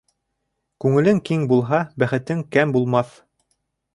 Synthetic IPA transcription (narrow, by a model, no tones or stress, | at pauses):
kʉŋɘ̆lɘŋkiŋbulˠɦɑbæχɘ̆t̪ɘŋkæmbulˠmɑθ